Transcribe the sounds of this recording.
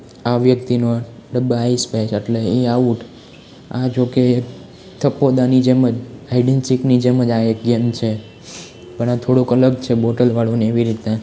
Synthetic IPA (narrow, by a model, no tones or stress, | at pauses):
aʋjəkt̪inoɖəbaispet͡ʃəʈleĩauʈʰ | ad͡ʒoke | t̪ʰəpːod̪anid͡ʒeməd͡ʒaiɖensiknid͡ʒeməd͡ʒaekɡəmt͡ʃʰe | pəɽãt̪ʰoɽukələɡ̚t͡ʃʰeboʈəlʋaɭuneeʋiɾit̪na